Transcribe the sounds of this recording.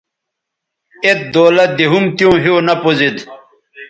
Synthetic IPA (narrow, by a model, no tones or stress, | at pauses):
et̪̚d̪oːlɐt̪̚d̪iɦumt̪jõːɦinɐpozid̪